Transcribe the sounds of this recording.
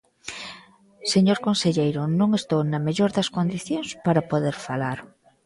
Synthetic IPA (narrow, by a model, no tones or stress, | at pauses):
seɲoɾkonseʎejɾʊnõŋest̪ownameʎoɾðɐskond̪iθjoŋspaɾapoðeɾfalaɾ